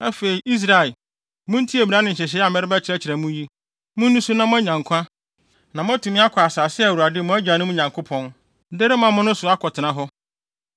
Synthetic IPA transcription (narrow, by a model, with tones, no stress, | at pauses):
ɛ˦fe˨i˨ʔi˦s̬ɾa˨ | mʊ̃˦n̩˦tʰi˦e˨mi˨ɾã˦nɪ̃˨ɲ̩˨ɕɛ˨ɕ̬ɛ˦a˨mɛ˦ɾɪ˦bɛ˦t͡ɕʰɪ˨ɾɛ˦t͡ɕʰɪ˨ɾɛ˨mũ˦ji˦ | mʊ̃˦nː˦ũ˦sũ˦nã˦mʊ̃˦æ˦ɲã˨ŋkʷʰã˦ | nã˨mʊ̃˦a˦tʰu˨mɪ̃˦a˦kʰɔ˨a˨saː˨sɪ˦˨wu˨a˨dɪ˦˨mʊ̃˦æ˦d͡ʑᶣa˨nʊ̃˦mũ˦ɲã˨ŋkʰo˦pʰɔ̃˦n | de˦ɾɪ˦mã˨mʊ̃˦nʊ̃˦sʊ˨a˦kʰɔ˨tʰɪ˨nã˨˦ɦɔ˦